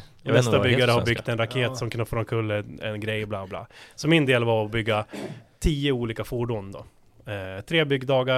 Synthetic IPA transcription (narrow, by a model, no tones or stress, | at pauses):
mɛst̪abʏɡɡːaɾəhaɾbʏɡt̪ɛnɾakʰeːt̪sɔmkʰnfɾɔnkʰɵlːɛ̰nɡɾɛjːblaːblɑ̰ːsɔmɪnd̪eːlvaɾɔbʏɡːat̪ʰiːəuːliːkafuːɖuːnd̪ɔ̰ | t̪ʰɾeːbʏɡd̪ɑːɡa